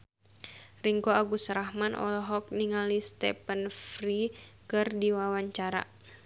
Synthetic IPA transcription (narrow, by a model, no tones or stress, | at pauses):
riŋkoaɡusɾahmanʔɔ̰lɦɔk̚niŋalist̪ɛ̰pənfɾikɨrdiwawaɲt͡ʃaɾa̰